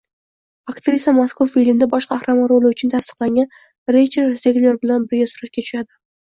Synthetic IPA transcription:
akt̪ɾisamaskʰʊɾfilmd̪abɒʃqʰɑːχɾamaɾolɪʊt͡ʃʰʊnt̪ʰast̪ɨ̥qlaŋʲan | ɾet͡ʃʰeɾseɡʲlʲoɾbɪlanbɪɾɡʲasʊɾat̪̚kʲat̪ʰʊ̥ʃad̪ɪ

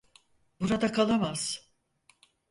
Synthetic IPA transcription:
buɾad̪akʰalˠamaz̥

